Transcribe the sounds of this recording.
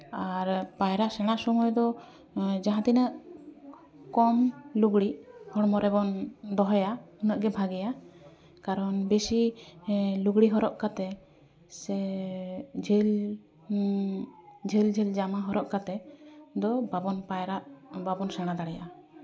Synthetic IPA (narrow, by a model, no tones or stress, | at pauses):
aɾpajɾaʔsɛɽ̃aʔsɔmujd̪ɔ | d͡ʒaɦãt̪inəʔ | kɔmluɡɽihɔɽmɔɾɛbɔnd̪ɔɦɔjaunəʔɡɛbʱaɡɛja | kaɾɔnbesi | luɡɽiɦɔɾɔʔkat̪ɛ | sɛ | d͡ʒʱel | d͡ʒʱeld͡ʒʱɛld͡ʒamaɦɔɾɔʔkat̪ɛd̪ɔbabɔnpajɾaʔbabɔnsɛɽ̃ad̪aɽɛja